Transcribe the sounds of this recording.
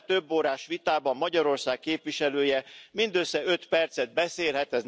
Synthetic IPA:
t̪øbːoːɾaːʃʋit̪aːbɒmːɒɟɒɾo̞rsaːkkeːpʋiʃɛløːjɛmind̪øsːɛøt̪pɛrt̪sɛd̪̚bɛseːlɦɛt̪ɛz

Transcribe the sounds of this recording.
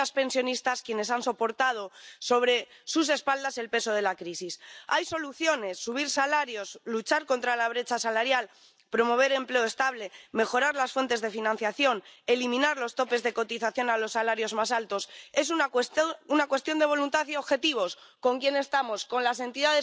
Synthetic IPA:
aspe̞nsjo̞nist̪askjene̞sanso̞po̞ɾt̪að̞o̞so̞β̞ɾe̞sus̬e̞spald̪ase̞lpe̞so̞ð̞e̞lakɾisisajso̞luθjo̞ne̞sːuβ̞iɾsalaɾjo̞slut͡ʃaɾko̞nt̪ɾalaβ̞ɾe̞t͡ʃasalaɾjal | pɾo̞mo̞β̞e̞ɾe̞mple̞oe̞st̪aβle̞me̞xo̞ɾaɾlasfwe̞nt̪e̞zðe̞finãnθjaθjo̞ne̞limĩnaɾlo̞st̪o̞pe̞zðe̞ko̞t̪iθaθjo̞nalo̞sːalaɾjo̞zmas̬alt̪o̞se̞s̬u | unakwe̞st̪jo̞nd̪e̞β̞o̞lunt̪aθioβxe̞t̪iβ̞o̞sko̞ŋkjene̞st̪amo̞sko̞nlase̞nt̪iðaðe

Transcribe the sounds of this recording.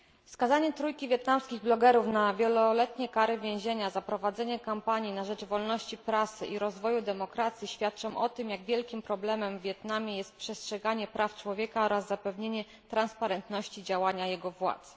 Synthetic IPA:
fskazaɲɛt̪ɾujkʲivʲjɛt̪̚namskʲiɣblɔɡɛɾufnavʲjɛlɔlɛt̪ɲɛkaɾɘvʲjɛ̃w̃ʑeɲazapɾɔvad̪zɛɲɛkampaɲinaʐɛd͡ʐvɔlnɔɕt͡ɕipɾasɘ̰ʔiɾɔzvɔjud̪ɛmɔkɾat̪sʲjiɕfʲjat̪̚t͡ʂɔ̃mʔɔt̪ɘmjaɡvʲjɛlkʲimpɾɔblɛmɛmvːjɛt̪namʲjɛjɛst̪̚pʂɛstʂɛɡaɲɛpɾʔaft͡ʂwɔvʲjɛkaɔɾazːapɛvɲeɲɛ | t̪ɾanspaɾɛnt̪nɔɕt͡ɕid͡ʑawaɲajɛɡɔvwa̰t̪s

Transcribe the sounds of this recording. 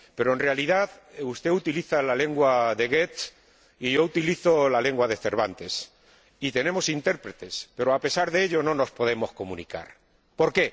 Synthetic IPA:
pe̞ɾoe̞nrealiðaðust̪e̞ut̪iliθalale̞ŋɡwaðe̞ɣet̪ | iʝo̞ut̪iliθo̞lale̞ŋɡwaðe̞θe̞ɾβant̪e̞s | it̪e̞nẽ̞mo̞sint̪e̞ɾpɾe̞t̪e̞spe̞ɾoape̞saɾðeeʎo̞no̞no̞spo̞ð̞e̞mo̞sko̞mũnika̰ɾ | po̞ɾke̞

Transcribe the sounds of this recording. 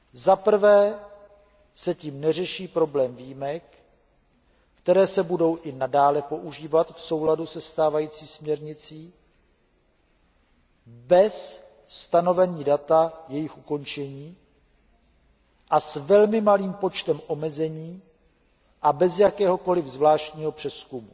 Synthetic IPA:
zapr̩vɛː | sɛciːmnɛr̝ɛʃiːpɾo̞blɛːmviːjimɛk | t̪ɛɾɛːsɛbudo̞wʔɪnadaːlɛpo̞ʔuʒiːvat̪fso̞wladusɛst̪aːvajiːt͡siːsmɲɛɾɲɪt͡siː | bɛsː | t̪ano̞vɛɲiːdat̪ajɛjɪxuko̞nt͡ʃɛɲiː | ʔasvɛlmɪmaliːmpo̞t͡ʃt̪ɛmʔo̞mɛzɛɲiː | ʔabɛzjakɛːɦo̞ko̞lɪvzvlaːʃcɲiːɦo̞pr̝̥ɛskumu

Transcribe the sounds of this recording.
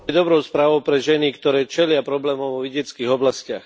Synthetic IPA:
ɛd̪ɔbɾɔʊspɾaːʋɔʊpɾɛʒɛnikt̪ɔɾɛːt͡ʃɛlɪapɾɔblɛːmɔʊʋɔʋiɟɛt͡skiːɣɔblascɪax

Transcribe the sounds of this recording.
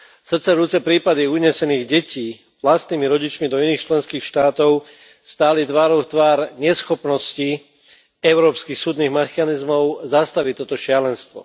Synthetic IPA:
sr̩t͡sɛɾuːt͡sɛpɾiːpad̪iuɲɛsɛniːɣɟɛciː | ʋlast̪niːmiɾɔɟit͡ʃmid̪ɔiniːxt͡ʃlɛnskiːxʃt̪aːt̪ɔʊ | st̪aːlit̪ʋaːɾɔʊt̪ʋaːɾɲɛsxɔpnɔsci | ɛʊɾɔːpskixsuːd̪niːɣmɛxanizmɔʊzast̪aʋit̪ːɔt̪ɔʃɪalɛnst̪ʋɔ̰

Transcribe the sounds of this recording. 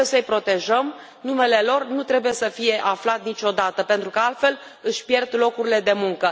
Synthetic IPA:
esəɨjpɾo̞t̪e̞ʒəm | nume̞le̞lo̞rnut̪ɾe̞buje̞səfije̞ʔaflat̪nit͡ʃʲo̞d̪at̪əpe̞nt̪ɾukəalt̪fe̞l | ɨʃʲpje̞rd̪lo̞kuɾile̞d̪e̞muŋkə

